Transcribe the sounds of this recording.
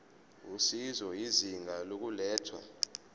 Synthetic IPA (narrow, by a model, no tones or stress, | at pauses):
usizɔiziŋɡalok̬ulɛːtʰwa̰